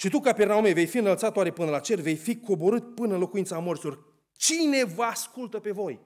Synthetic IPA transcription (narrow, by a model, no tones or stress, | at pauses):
ʃit̪ukape̞rnaomeve̞jfiɨnəlt̪sat̪oaɾe̞pɨnəlat͡ʃe̞rve̞jfiko̞bo̞ɾɨt̪̚pɨnəlo̞kuint̪samort̪silo̞r | t͡ʃine̞vəaskult̪əpe̞vo̞j